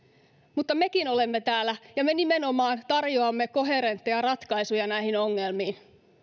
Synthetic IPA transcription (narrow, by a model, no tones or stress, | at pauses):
mut̪ːɑme̞kinolemːet̪æːlːæjɑmenimeno̞mɑːnt̪ɑrjoɑmːeko̞ɦe̞ɾent̪ːejɑrɑt̪kɑisujɑnæihinoŋːelmiːn